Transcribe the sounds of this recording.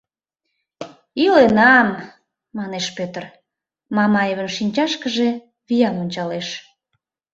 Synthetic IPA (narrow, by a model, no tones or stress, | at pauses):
ilenɑmː | ɑneʃpøt̪ər | mɑmɑjβənʃinʲt͡ɕɑʃkəʒe | βijɑmonʲt͡ɕɑleʃ